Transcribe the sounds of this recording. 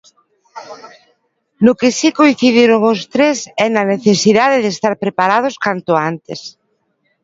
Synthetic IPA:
nʊkɪsikoĩn̟θiðiɾʊŋʊst̪ɾesɛnaneθesiðaðeðest̪aɾpɾepaɾað̞ʊskant̪ʊant̪es

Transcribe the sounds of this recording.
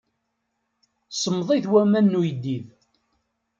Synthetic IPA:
səmːðˤiðwæmænːujəd̪ːið

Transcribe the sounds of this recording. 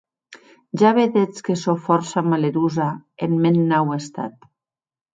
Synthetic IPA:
ʒaβeðet͡skesofɔɾsamaleɾuzaenmenːawest̪a̰t̪̚

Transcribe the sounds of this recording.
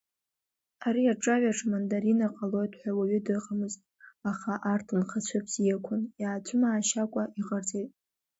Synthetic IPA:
aɾiaʈ͡ʂʼaɥaʈ͡ʂʰmandaɾinaqʼalo̞jtʼħʷᶣawaɥʏdɨʁamɨztʼaχaʔartʰɨnχat͡ɕʷʰapʰsijakʷʰʊnjaːt͡sʷʰʊmaːʃakʷʼaiqʼart͡sʼejtʼ

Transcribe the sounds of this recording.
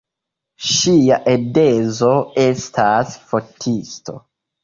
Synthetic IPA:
ʃiaʔede̞zo̞e̞stʰasfo̞tʰisto̞̰

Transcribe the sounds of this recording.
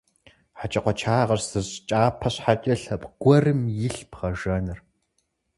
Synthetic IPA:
ħat͡ʃʼɐqʷɔt͡ʃʰaːʁɐrsɨɕt͡ʃʼaːpʰɐɕħat͡ʃʼɐɬɐpʼɡ̥ʷɔrɨmjɪɬpʰχɐʒɐnɨr

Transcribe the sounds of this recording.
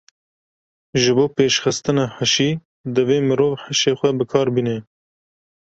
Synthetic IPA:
ʒɨboːpeːʃxɨst̪ɨnɑːħaʃiː | d̪ɨveːmɨɾoːvħaʃeːxʷɛbɨkʰɑːɾbiːnɛ

